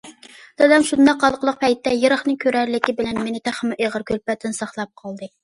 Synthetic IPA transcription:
d̪̥ɛd̪ɛmʃund̪ɑqːɑlˠqəlˠəq̚pʰɛjt̪ːɛjeɾəχnɨkʲʰøɾæɾlɪkʲibɪlɛnmenɪt̪ʰæχmɪʔeʁəɾkʲʰølpɛt̪ʰːɪnsɑχlˠɑp̚qʰɑlˠd̪ɨ

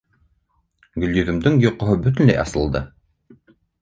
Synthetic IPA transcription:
ɡɵ̆ljɵ̆ðɵ̆md̪ɘŋjŏqŏɦɤbɵt̪̬ɵ̆nlæ̰jɑsɤ̆lˠd̪ɤ

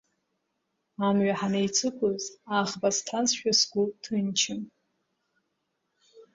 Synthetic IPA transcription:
amɥaħanejt͡sʰɨkʷʰʊzaʁbaztʰansʃᶣasɡʷutʰɨnt͡ʃʰɪm

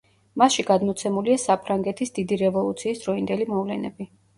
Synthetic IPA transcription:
masʃiɡad̪mɔt̪sʰɛmuliasapʰɾaŋɡɛt̪ʰisd̪id̪iɾɛvɔlˠut̪sʰiːsd̪ɾɔind̪ɛlimɔvlɛnɛ̰bi

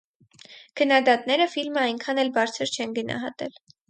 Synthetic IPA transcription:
kʰənːɑd̪ɑt̪nɛɾəfilməɑjŋkʰɑnɛlbɑɾt͡sʰəɾt͡ʃʰɛnɡənɑ̰ɦɑ̰t̪ɛl

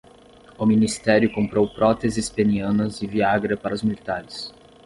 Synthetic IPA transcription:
ʊminist̪ɛɾjʊkõmpɾowpɾɔt̪ezɪspeniɐ̃nɐzɪviaɡɾɐpaɾɐʊzmilit̪aɾɪs

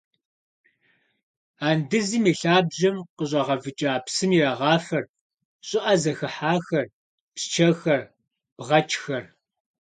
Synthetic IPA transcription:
aːndɨzimiːɬaːbʑɐmqəɕ̬ʷʼɐʁɐvɨt͡ʃʼaːpsɨmiraːʁɑːfɐr | ɕʼɪʔɐzɐxɨħaːxɐr | pst͡ʃʰɐxɐr | b̥ʁɐt͡ʃʰʼxɐr

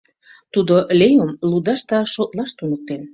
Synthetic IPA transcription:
t̪ud̪olejomlud̪ɑʃt̪ɑʃot̪lɑʃt̪unək̚t̪en

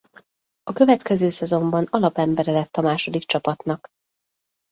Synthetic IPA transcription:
ɒkøvɛt̪kɛzøːsɛzo̞mbɒnɒlɒpɛmbɛɾɛlɛt̪ːɒmaːʃo̞d̪ik̚t͡ʃɒpɒt̪nɒk

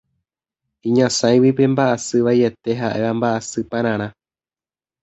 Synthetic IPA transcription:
ĩɲãsãj̃wipe̞mbaʔasɨʋaje̞t̪e̞ɦaʔe̞ʋambaʔasɨpãɾ̃ãɾ̃ã

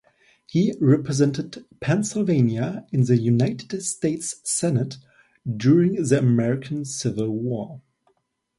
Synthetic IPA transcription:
hiɹɛpɹɨzɛ̃ntɨd̚pʰɛ̃nsɪl̩ˠvẽɪ̃njəɨ̃nðɨjʉnaɪtɨdsteɪtsːɛnɨt | d̥ʊɹɪ̃ŋðiəmɛɹɪkʰə̃n̩sɪvəlˠwɔɹ

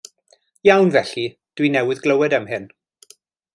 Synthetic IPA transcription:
jawnvɛɬi | d̥winɛwɪðɡləwɛdəmɦɪn

